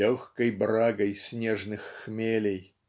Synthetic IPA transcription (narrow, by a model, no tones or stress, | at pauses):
oxkəjbɾaɡəjsʲnʲeʐnɨxːmʲelʲej